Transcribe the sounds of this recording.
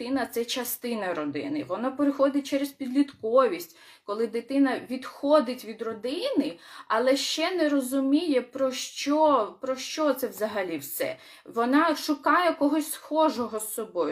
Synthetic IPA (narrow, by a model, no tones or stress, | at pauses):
ɪnɐt̪sɛt͡ʃɐst̪ɪnɐɾɔd̪ɪ̰nɪʋɔnapeɾɪxɔd̪ɪt̚ʲt͡ʃɛɾespʲid̪lʲit̪kɔʋʲisʲtʲ | kɔlˠɪd̪ɪt̪ɪnɐʋʲid̪xɔd̪ɪtʲʋʲid̪rɔd̪ɪnɪɐlˠɛʃt͡ʃɛnɛɾɔzʊmʲijɛpɾɔʃt͡ʃɔpɾɔʃt͡ʃɔt̪sɛwzɐɦɐlʲiwsɛ̰ | ʋɔnɑʃʊkɑjɛkɔɦɔsʲsxɔʒɔɦɔsːɔbɔjʊ